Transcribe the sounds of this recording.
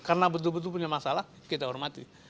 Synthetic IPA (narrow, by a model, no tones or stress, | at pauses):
karənabət̪̬ʊlbət̪̬ʊlp̬uɲamasalah | kit̪aɦɔrmat̪i